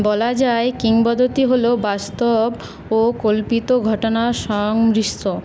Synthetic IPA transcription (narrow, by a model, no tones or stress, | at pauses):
bɔlad͡ʑaekiŋbɔd̪ʱot̪iɦolobast̪ob | okolpit̪oɡʱɔʈonaʃɔŋɾiʃt̪o